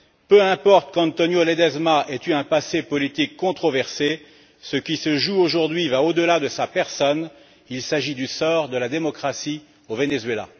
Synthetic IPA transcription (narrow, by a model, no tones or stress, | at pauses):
pøɛ̃pɔʁt̪kɑ̃t̪ɔnjoled̪ɛzmaʔɛt̪yɛ̃pasepɔlit̪ikːɔ̃t̪χɔvɛʁse | səkʲisəʒuoʒuʁd̪ɥivaod̪əlad̪əsapɛʁsɔn | ilsaʒid̪ysɔʁd̪əlad̪emɔkχasi | ovenezɥela̰